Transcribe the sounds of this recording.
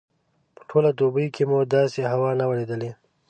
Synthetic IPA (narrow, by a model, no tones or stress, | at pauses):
pə̥ʈʰolad̪obəjkʰemud̪ɑseɦawɑnawəɾed̪əle